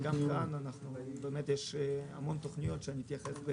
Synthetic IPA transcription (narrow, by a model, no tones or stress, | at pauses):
ɡamkananaχnubemet̪jeʃa̰mo̞nt̪oχnijo̞t̪ʃeaniit̪jaχesbe